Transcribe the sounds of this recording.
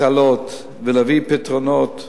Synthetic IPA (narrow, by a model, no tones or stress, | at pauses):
alot̪ | velavipit̪ʁonot̪